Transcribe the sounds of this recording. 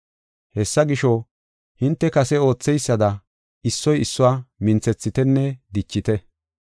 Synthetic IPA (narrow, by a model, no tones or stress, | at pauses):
hɛsːɐɡɪʃɔ | hɪnt̪ːɛkɐsɛo̞ːt͡sːɛjsːɐd̪ɐ | ɪsːɔjɪsːʊwaːmɪnt͡sɛt͡sːɪt̪ɛnːɛd̪ɪt͡ʃːɪt̪ɛ